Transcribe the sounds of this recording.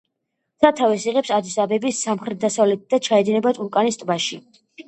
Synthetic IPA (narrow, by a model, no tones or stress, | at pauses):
sat̪ʰavɛsiʁɛpsad̪isabɛbisamχɾɛt̪̚d̪asavlɛt̪̚ʰd̪at͡ʃʰaɛd̪inɛbat̪ʰʼuɾkʼanist̪ʼbaʃi